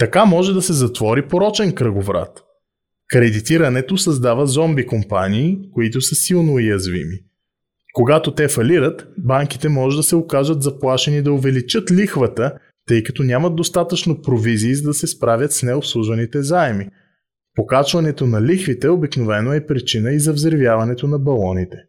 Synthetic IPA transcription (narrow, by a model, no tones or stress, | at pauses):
t̪ɐkamɔʒɛd̪ɐsɛzɐt̪vɔɾipoɾɔt͡ʃɛnkɾəɡovɾa̰t̪ | kɾɛd̪it̪iɾɐnɛt̪osɐzd̪avɐzɔmbikompa̰niːkoit̪ʊsəsilˠnojɐzvḭmi | koɡat̪ot̪ɛfɐliɾət̪baŋk̟it̪ɛmɔʒɛd̪ɐsɛokaʒvət̪zɐplˠaʃɛnid̪ɐʊvɛlit͡ʃɤt̪lʲixvət̪ə | t̪ɤjkɐt̪ɔnʲamɐd̪d̪ost̪at̪ət͡ʃnopɾoviziːzɐd̪ɐsɛspɾavʲət̪snɛopslˠuʒvɐnit̪ɛzaɛmi | pokat͡ʃvɐnɛt̪onɐlixvit̪ɛobiknovɛnoɛpɾit͡ʃinəizɐvzɾivjavɐnɛt̪onɐbɐlˠɔnit̪ɛ̥